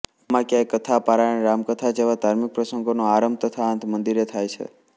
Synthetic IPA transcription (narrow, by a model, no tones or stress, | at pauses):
amãkjãjkːət̪ʰapaɾaneɾamkət̪ʰad͡ʒeʋad̪ʱaɾmik̚pɾəsəŋɡonoaɾəmt̪ət̪ʰaənt̪ʰmənd̪iɾet̪ʰajt͡ʃʰḛ